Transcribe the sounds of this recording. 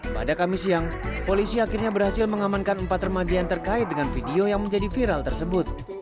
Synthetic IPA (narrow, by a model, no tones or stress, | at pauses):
pa̰dakamisiaŋpolisiakɪrɲabərhasɪlməŋamankanəmpat̪rəmad͡ʒaant̪ərkaɪt̪̚dəŋanfidiojaŋməɲd͡ʒadifiɾalt̪ərsəbʊt̪̚